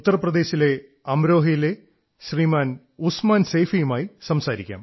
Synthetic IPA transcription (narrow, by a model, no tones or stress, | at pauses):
ut̪ːɐrɐprɐd̪e̞ːɕile̞ | ɐmɾo̞ːɦijile̞ | ɕriːmaːn | usmaːnsejfijumaːjisɐmsaːɾikʲːa̰ːm